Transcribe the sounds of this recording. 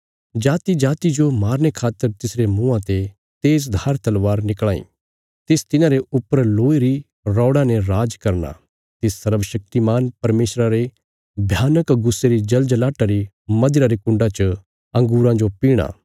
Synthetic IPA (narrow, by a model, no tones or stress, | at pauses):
d͡ʒaːt̪id͡ʒaːt̪id͡ʒomaːɾñekʰaːt̪ːəɾt̪ɪsɾemʊ̃ãt̪e | t̪eːzd̪ʱaːɾt̪ɐlʋaːɾnɪkɭaːḭ̃ | t̪eːst̪ɪnãɾeʊpːəɾloːiɾi | ɾɔːɽãnɛ̃ɾaːd͡ʒkɐɾna̰ | t̪ɪsːɐɾʋəʃɐk̚t̪imaːnpɐɾmeːʃɾaɾe | bʱjaːnəkɡʊsːeɾid͡ʒɐld͡ʒlaːʈaɾi | mɐd̪ɪɾaɾekʊ̃ɳɖãt͡ʃə | ɐ̃ŋɡuːɾãd͡ʒopiːɽ̃a̰ː